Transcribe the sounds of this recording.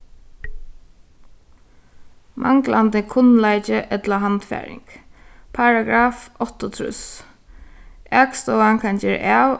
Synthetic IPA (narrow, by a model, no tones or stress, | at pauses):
mʔa̰ŋklʔand̪ɪkʰʊnlaɪt͡ʃəʔɛt̪laɦant̪fæ̰ːɹɪ̰ŋkpʰaɹaɡɾaːfɔht̪ɔt̪ʰɾʉ̰s | ʔɛːkst̪ɔːwaŋkʰand͡ʒɛɾ̰ʔæːw